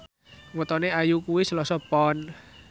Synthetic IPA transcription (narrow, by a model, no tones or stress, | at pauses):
wət̪ɔneajukuwisəlɔsɔpɔn